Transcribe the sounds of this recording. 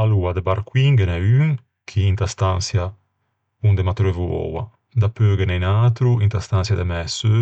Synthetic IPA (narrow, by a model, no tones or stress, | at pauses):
aluad̪ebaɾkwiŋɡenɛyŋ | kʰiint̪ast̪ansja | und̪emat̪uɾevuɔ̰wa̰ | d̪apøːɡenɛjnaːt̪ɾuint̪ast̪ansjad̪ɛmɛsø